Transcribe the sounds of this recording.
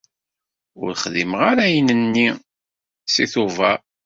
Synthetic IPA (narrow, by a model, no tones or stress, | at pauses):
ʊ̰ɾχðiməʁaɾæjənənːi | siθuvæ